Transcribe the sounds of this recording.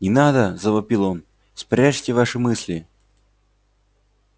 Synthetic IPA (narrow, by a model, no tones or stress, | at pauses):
nʲɪnad̪əzəvɐpʲilˠo̞n | spɾʲæʂtʲɪvaʂɨmɨsʲlʲɪ